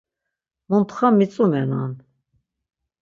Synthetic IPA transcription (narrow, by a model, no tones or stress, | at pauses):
munt̪χamit͡sʼumɛnan